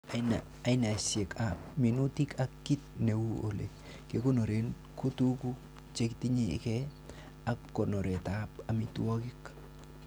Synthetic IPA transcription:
na | a˨i˦na˨sɛ˨kap̚mi˨nu˦ti˦kakːi˦t̚ne˨wu˦ole˨ | keko˦no˨ɾe˦n | ko˦tuku | t͡ʃe˦kti˦ɲḛkɛ | a˦kːɔ˨nɔ˨ɾɛ˨tapa˨mituɔ˦kɪk

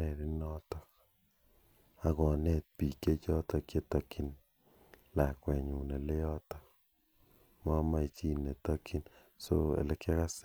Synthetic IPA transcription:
ɛ˨ɾɪ˦nɔ˦tɔ˨k | a˨kɔ˨nɛ˦t̚pi˨kːe˦t͡ʃɔ˦tɔ˧kje˦tɔ˨ki˦n | la˨kwɛ˨ɲu˨ne˨le˦jɔ˦tɔ˦k | mɔ˦ma˦i˨t͡ʃi˦ne˨ta˦ki˦n | so̰˦ḛ˨le˦kja˦ka˦s

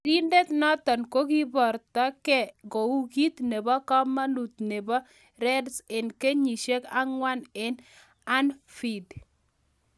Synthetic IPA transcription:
ɾi˦nde˦t̪nɔ˦t̪ɔ˨nko˦ɡi˦bɔ˨ɾt̪a˦kɛ˦ɡo˨u˦ɡi˦t̪ne˨bɔ˦kɔ˦ma˦nu˨t̪̚ne˨bɔ˦ | ɾɛ˦dse˨nke˦ɲi˨ʃe˦ka˦ŋwa˦ne˨n | a˦nfi˨d

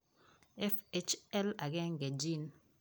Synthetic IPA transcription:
ɛ˦fe˦t͡ʃɛ˦la˨ɡɛ˦ŋ˨ɡɛ˨d͡ʒi˦˨n

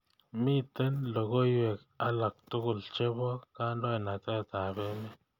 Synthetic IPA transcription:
mi˦t̪e˦nlo˨ɡo˦jwe˨k | a˦la˨k̚t̪u˦ɡu˨lt͡ʃe˦bo˦ka˦nlo˦e˨na˨t̪e˦˨t̪a˨be˦me˦

